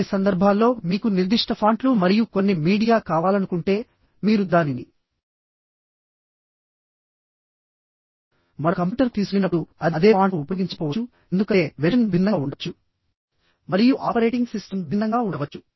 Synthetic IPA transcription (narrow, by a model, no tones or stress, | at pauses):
isɐnd̪ɐɾbʱaːlːo̞ːmiːkuniɾd̪iʂʈɐpʰaːɳʈlumɐɾijukonːimiːɽijaːkaːʋaːlɐnukuɳʈe̞ː | miːɾud̪aːninḭ | mɐɽɐkɐmpːʈɐɾt̪iːsukinɐpɽuɐd̪ɐd̪e̞ːpʰaːuːpɐɡiɲt͡ʃu̥pɔːʋɐu | end̪ukɐeːʋeɾɐnbʱinːɐuɳɖɐt͡ʃːu | mɐɾijuʔaːpɐɾe̞ːʈiŋɡsisʈɐmbʱinːɐŋɡaːuɳɖɐʋɐt͡ʃːu̥